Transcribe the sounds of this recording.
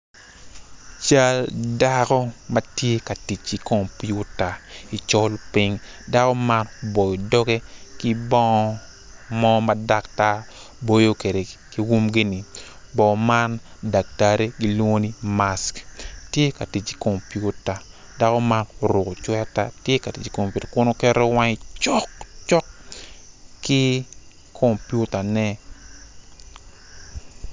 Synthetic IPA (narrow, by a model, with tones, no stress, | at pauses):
t͡ʃa˦lda˦kɔ˦mɐ˦tje˦ka˨ti˨t͡ʃi˨ko˨mpju˦ta˨i˨t͡ʃɔ˦lpi˦ŋ | da˦kɔ˦ma˦nbo˨jo˨dɔ˦ɡe˦ki˦bɔ˦ŋɔ˦ | mɔ˦mada˦kta˦ | bo˦jo˦ke˨de˨ki˦wu˦mɡi˦ni˨ | bɔ˨ma˦nda˨k̚ta˦ɾe˦ɡi˦lwo˦ŋo˦ni˦masktje˦ka˨ti˨t͡ʃi̥˨ko˨mpju˦ta˨ | da˦kɔ˦ma˦nɾʊ˨ko˨t͡ʃwɛ˦ta˦tje˦ka˨ti˨t͡ʃi˨ko˨mpju˨ta˨kʊ˦no˦kɛ˦ɾo˦wa˦ŋɪt͡ʃɔ˦kt͡ʃɔ˦k | ki˦ | kʰo˨mpju˦ta˨nɛ˦